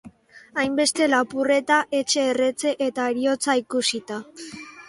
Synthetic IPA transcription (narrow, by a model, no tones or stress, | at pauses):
ajmbe̞st̪e̞lapure̞t̪aʔe̞t͡ʃe̞ːre̞t͡se̞ʔet̪aeɾio̞t͡saikusit̪a